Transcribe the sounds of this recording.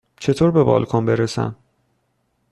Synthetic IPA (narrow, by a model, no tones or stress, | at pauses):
t͡ʃʰe̞t̪ʰoːɾbe̞bɒ̰ːlkʰɒnbe̞ɾesæ̰m